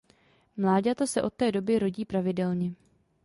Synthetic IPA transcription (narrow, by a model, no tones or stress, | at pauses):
mlaːɟat̪osɛʔo̞t̪̚ːɛːdo̞bɪɾo̞ɟiːpɾavɪdɛlɲɛ